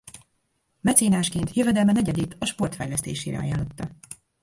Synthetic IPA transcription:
mɛt̪seːnaːʃkeːnt̪jøvɛd̪ɛlmɛnɛɟɛd̪it̪ɒʃpo̞rt̪fɛjlɛst̪ḛːʃeːɾɛ̰ɒ̰jaːlːo̞t̪ːɒ

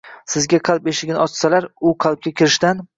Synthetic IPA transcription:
sɪzɡʲaqʰɑlˠpeʃɪɡʲnɪɒt͡ʃsalaɾʊqʰɑlˠp̚kʲakʲʰɪɾɪʃt̪an

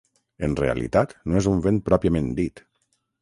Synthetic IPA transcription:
ənrḛə̰lḭt̪at̪noezuɱvenpɾɔpiəmẽnd̪it̪

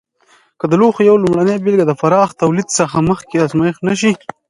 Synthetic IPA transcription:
kəd̪əloxjawlumɽanejbɪlɡad̪əfaɾɑxt̪awlid̪səxaməxkeazmajɪxnaʃ̬i

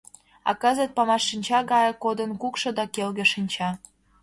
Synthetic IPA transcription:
ɑ̰kəzə̆t̪̚pɑmɑʃːinʲt͡ɕɑɣɑjɤ̆kod̪ə̆nkukʃɤ̆d̪ɑkelɣə̆ʃinʲt͡ɕɑ

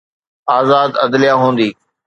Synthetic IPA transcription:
aːzaːd̪ɐd̪lɪjaɦũːn̆d̪iː

